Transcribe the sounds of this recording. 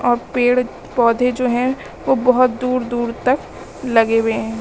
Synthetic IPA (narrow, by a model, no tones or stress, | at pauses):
ʔɔːɾpeːɽ | pɔːd̪ʱed͡ʒoːɦɛ̃ | ʋobɔɦʊt̪̚d̪uːɾd̪uːɾt̪ɐk | lɐɡeweɦɛ̃ː